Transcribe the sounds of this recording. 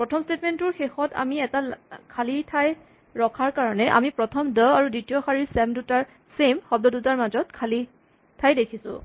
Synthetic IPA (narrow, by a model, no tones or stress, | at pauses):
pɹɔtʰɔmstetmɛntʊɹxexɔta̰miɛtakʰalitʰaj | ɹɔkʰaɹkaɹɔnɛʔa̰mipɹɔtʰɔmdɔaɹudɹitijɔxaɹiɹsɛmdutaɹ | semxɔb̚dɔdutaɹmazɔt̚kʰali | tʰajdekʰisʊ̰̃